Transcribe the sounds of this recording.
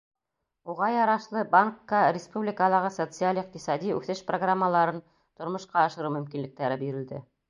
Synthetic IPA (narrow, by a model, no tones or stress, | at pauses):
uʁɑjɑɾɑʃlˠɤbaŋkːəɾʲɪspublʲɪkəlˠɑʁɤsot̪sɨalʲiq̚t̪isɑd̪ʲiʉ̰θɘʃproɡramːəlˠɑɾɤn | t̪ŏɾmŏʃqɑɑʃɤ̆ɾuwmɵ̆mkinlɘ̆k̚t̪æɾɘbiɾɘ̆ld̪ɘ